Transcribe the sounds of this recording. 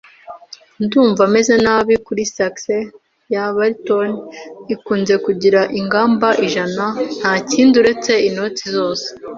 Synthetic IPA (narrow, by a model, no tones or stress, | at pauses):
nduːɱvame̞zenaːβikuɾisakse | jaβaɾitonikuːnze̞kuɟiɾaʔiŋɡaːmbaʔiʒanan̥haːciːnduɾe̞t͡se̞ino̞t͡sizo̞ːse̥